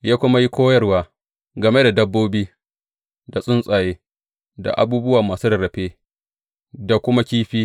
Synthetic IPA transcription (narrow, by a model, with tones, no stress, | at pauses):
jaː˦kʷʊ˦ma˦ji˦kʷoː˦jɐ˦rwaː˨ | ɡɐ˨me˦da˨dɐ˦bːoː˦biː˦ | da˨sʼʊ˦nsʼaː˨jeː˦ | da̰˨ʔa̰˨buː˦bʊ˦waː˨maː˨suː˦dɐ˨ɾɐ˨ɸeː˦ | da˨kʷʊ˦ma˦kʲiː˦ɸiː˦